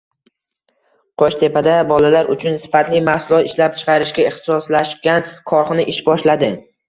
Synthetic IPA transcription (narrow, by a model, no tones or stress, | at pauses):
qʰot͡ʃt̪ʰe̞pad̪abɒlalaɾʊt͡ʃʰʊnsɪ̥fat̪lɪmahsʊlˠɒt̪ɪʃlap̚t͡ʃʰɨ̥qʰɑɾɪʃɡʲaɪχt̪ɪ̥sɒslaʃkʲankʰɒɾχɨnɪʔɪʃbɒʃlad̪ɪ